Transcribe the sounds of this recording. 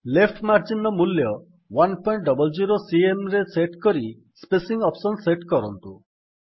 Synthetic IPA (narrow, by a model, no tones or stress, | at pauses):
lepʈʰmaɾd͡ʒinɔmuljɔ | wanpɔjɳʈ̚ɖɔbɔld͡ʒiɾosiemɾeseʈkɔɾi | spesiŋɔpsɔnseʈkɔɾɔnt̪u